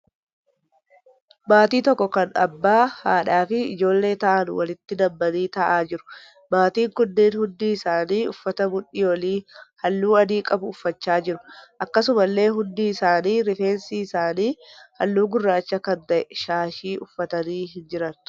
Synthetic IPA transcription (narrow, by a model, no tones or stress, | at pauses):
baːt̪iːt̪ɔkːɔkɐnɐ̰bːaːhaːᶑaːfɪɪd͡ʒo̞ːlːe̞ːt̪ɐʔɐnʊ̰wɐlɪt̪ːɪd̪ɐbːɐniːt̪ɐʔaːd͡ʒɪɾʊ̥ | baːt̪iːŋkʊnːiːnhʊnd̪iːɪsaːniːʊfːɐt̪ɐmʊᶑiːwɐliːhɐlːuːɐd̪iːkʼɐbʊːfːɐt͡ʃːaːd͡ʒɪɾʊʔɐkːɐsʊmɐlːe̞ːɦʊnd̪iːɪsaːniːɾɪfe̞ːnsiːɪsaːniːhɐlːuːɡʊrːaːt͡ʃːɐkɐnt̪ɐʔɛʃaːʃiːʔʊfːɐt̪ɐniːɦɪnd͡ʒɪɾɐn